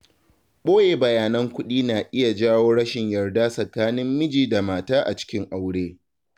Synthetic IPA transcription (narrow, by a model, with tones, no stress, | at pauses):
ɓoː˦jeː˨bɐ˨jaː˨nɐ˦ŋkʷʊ˦ɗiː˦naː˨ʔɪ˦ja˨d͡ʒaː˦woː˦ɾɐ˦ʃɪ˨ɲjɐ˨rda˦sɐ˨kaː˦nɪ˦mːɪ˦d͡ʒiː˨da˨maː˨taː˦ʔa̰˨t͡ʃɪ̥˦kʲɪ˦ŋʔa˦wɽeː˦